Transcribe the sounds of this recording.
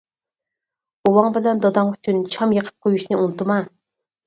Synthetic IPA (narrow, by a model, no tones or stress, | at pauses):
uwɑŋbɪlɛnd̪ɔd̪ɑŋyt͡ʃʰynt͡ʃʰɑmjəqʰə̥p̚qʰojuʃnɨunt̪ʰɨmɑ